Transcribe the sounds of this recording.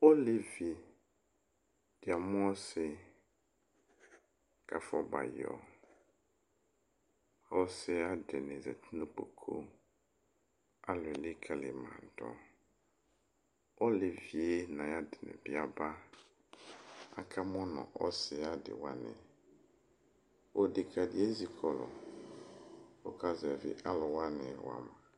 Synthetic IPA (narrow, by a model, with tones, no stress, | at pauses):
ɔ˦le˨vi˨ | d̥ɪ˨a˨mʊ̃˦ɔ˦sɪ˨ | kʰa˨fɔ˦ba̰˨jɔ̰˨ | ɔ˦sɪ˨˦a˦dɪ˨nɛ̃˨zɛ̰˨t̪ʰi˦nũ˦k͡po˨kʰo˦ | a˦lʊ˨ɛ˨li˦kʰa˨lɪ̰˨mã̰˨n˨tɔ̰̃˨ | ɔ˦lɪ˨vi˨e˦nã˨ja˦dɪ˨nɛ̰̃˨bɪ˦a˦ba˦ | a̰˨kʰa˦mɔ̃˦nɔ̰̃˨ʔɔ̰˦sɪ˨a˦dɪ̰˨wa˦nɪ̰̃˨ | wo˨dɪ˨kʰa˨dɪ˨˦e˦zi˨kʰɔ˨lɔ̰˨ | o˦ka˦zɛ˨vɪ̰˨ʔa˦lɔ˨wa˦nɪ˨wa̰˨mã˨